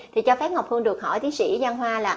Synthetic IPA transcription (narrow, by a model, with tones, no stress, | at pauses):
t̪ʰi˨˩t͡ɕɔ˧fɛː˦˥p̚ŋa˨˩k͡p̚hɨ˧ənɗɨ˨˩k̚hɔ̰˧˩jt̪i˨˦ənsḭ˧˥za˧nɦwaː˧laː˨˩